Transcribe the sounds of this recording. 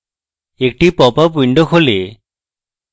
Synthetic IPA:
ek̚ʈipɔpap̬uiɳɖɔkʰole

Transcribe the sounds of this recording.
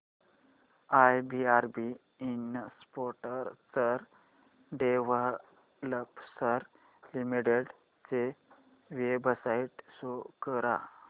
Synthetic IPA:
ajbiaɾbi | inəspoɾʈəɾt͡səɾ | ɖeʋəɦ | ləpsəɾ | limiʈeɖ | t͡se | ʋebsaiʈsokəɾa̰

